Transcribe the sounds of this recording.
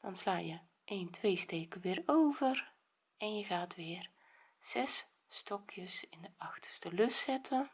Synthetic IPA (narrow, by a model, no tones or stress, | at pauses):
d̥ɔnslaːjə | ʔeːntʰʋejsteːkəʋɪːɾowvər | ɛnjəɣaːtʋɪːr | z̥ɛs | stɔkʰjəsɪndəʔɑxtə̥stəlɵsɛtʰən